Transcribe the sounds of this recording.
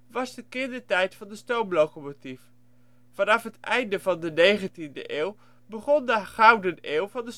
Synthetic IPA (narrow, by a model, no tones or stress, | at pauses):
ʋɑzdəkɪndəɹtɛjtfɑndəstowmlowkomotif | fɑnɑfɦətɛjndəvɑndənejχəntində̰ʔeːwˠ | bəχɔndəχawdəneːlˠvɑndəs